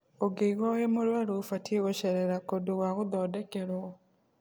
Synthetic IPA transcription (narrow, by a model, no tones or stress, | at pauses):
oɡeiɣwɔɣemoɾwaɾofatieɣoɕeɾeɾakodoɣwaɣoðɔːdekeɾwɔ